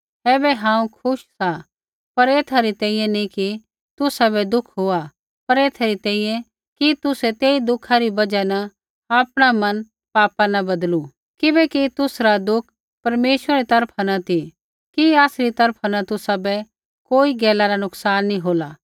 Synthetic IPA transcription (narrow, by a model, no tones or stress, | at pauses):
ɛːbɛɦãːũkʰʊʃsa | pɐɾeːt̪ʰaɾit̪ɛ̃ːĩːjɛ̃niki | t̪ʊsabɛd̪ʊkʰɦoa | pɐɾeːt̪ʰaɾit̪ɛ̃ːĩjɛ̃ | kit̪ʊsɛt̪eːid̪ʊkʰːaɾibɐd͡ʒanɐ | aːpɽ̃amɐn | paːpanɐbɐd̪lu | kɪbɛkit̪ʊsɾad̪ʊkʰ | pɐɾmeːʃʋəɾaɾit̪ɐɾpʰanɐt̪i | kiaːsɾit̪ɐɾpʰanɐt̪ʊsabɛ | koːiɡɛːlaɾanʊksaːnːĩɦoːlaː